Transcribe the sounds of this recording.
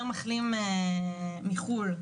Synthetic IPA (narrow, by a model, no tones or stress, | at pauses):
maχlime | mːiχul